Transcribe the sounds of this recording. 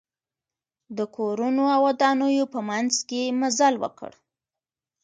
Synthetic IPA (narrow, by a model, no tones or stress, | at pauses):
d̪əkʰoɾunoawad̪anəjopəmanzkemazalwə̰kə̰ɽ